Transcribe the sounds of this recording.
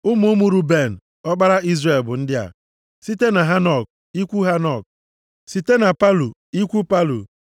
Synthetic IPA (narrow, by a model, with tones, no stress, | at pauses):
ʊ˦m˦ʊ˦mu˨ɾu˦be˦˨n̩˨ | ɔ˦k͡pa˦ɾa˦i˦zre˨lbʊ˨n̩˦dɪ˦a̰˨ | si˦te˦na˨ɦa˦nɔ˨k̚ | i˦kʷu˦ɦa˦nɔ˦˨k̚ | si˦te˦na˨pa˦lu˨i˦kʷu˦pa˦lṵ˨